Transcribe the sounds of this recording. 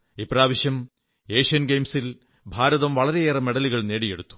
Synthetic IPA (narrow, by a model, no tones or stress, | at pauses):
ipraːʋiɕjɐm | e̞ːʂiɐnɡejmsil | bʱaːɾɐðɐmʋɐɭɐɾe̞eːrɐme̞ɽɐliɣɐɭne̞ːɽije̞ɽut̪ːu̥